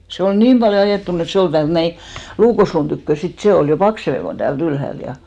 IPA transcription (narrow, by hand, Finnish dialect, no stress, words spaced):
se ol niːm b̥ɑljo ɑjeˑtːun et se ol tæːlt næi luːkosluːn tykːø sit se ol jo pɑkseʋe kon tæːlt ylhælt jɑ